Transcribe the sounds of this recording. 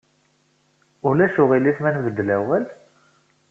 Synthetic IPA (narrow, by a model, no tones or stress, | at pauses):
ʊlæʃʊʁiliθmænɡəd̪ːlæwæl